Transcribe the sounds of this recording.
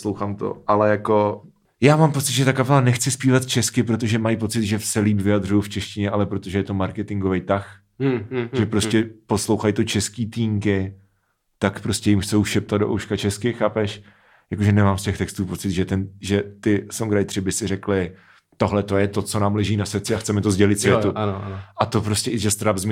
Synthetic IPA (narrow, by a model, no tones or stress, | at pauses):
slowxaːmt̪o̰ʔalɛjako̞ | jaːmaːmpo̞t͡sɪt̪ʒɛt̪akapɛlanɛxt͡sɪspiːvat̪t͡ʃɛskɪpɾo̞t̪̬o̞ʒɛmajpo̞t͡sɪt̪ʒɛsɛliːpvɪjad̪r̝ʊjuft͡ʃɛʃcɪɲɛʔalɛpɾo̞t̪oʒɛjɛt̪omaɾkɛt̪ɪŋɡovejt̪ax | ʒɛpɾoscɛpo̞slo̞wxajt̪o̞t͡ʃɛskiːt̪iːŋkɪ | t̪akpɾo̞scɛjɪmxt͡sowʃɛp̚t̪ad̪̚doʔo̰wʃkat͡ʃɛskɪxaːpɛʃ | jakoʒɛnɛmaːmscɛxt̪ɛkst̪uːpo̞t͡sɪd̪ʒɛt̪ɛnʒɛt̪ɪsoŋɡɾajt̪r̝̥ɪbɪsɪrɛklɪ | t̪o̞ɦlɛt̪o̞jɛt̪o̞t͡so̞naːmlɛʒiːnast͡sɪaxt͡sɛmɛt̪ozɟɛlɪt̪svjɛt̪unnʔat̪o̞pɾo̞scɛʔɪʒɛst̪ɾabzm